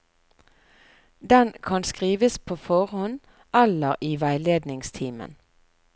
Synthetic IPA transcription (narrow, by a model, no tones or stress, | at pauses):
d̪ɛnkʰɑnskʁiːʋəspʰoːfɔʁhɔn | ɛləʁiːʋæɪleːd̪nɪŋst̪ʰiːmə̰n